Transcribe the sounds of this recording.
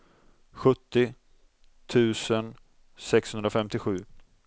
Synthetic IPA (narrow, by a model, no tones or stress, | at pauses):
ɧɵt̪ːɪ | t̪ʰʉ̟ːsən | sɛkshɵnd̪ɾafɛmt̪ɪɧʉ̟ː